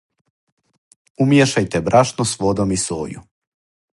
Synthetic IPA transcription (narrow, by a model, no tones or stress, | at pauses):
umjeʃajt̪ɛbɾaʃnost̪ʋod̪omiso̰ːjṵ